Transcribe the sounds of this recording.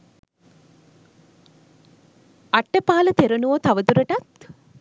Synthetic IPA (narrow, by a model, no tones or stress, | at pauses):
aʈːəpaːlɐt̪eɾənuʋot̪aʋəd̪uɾɐʈat̪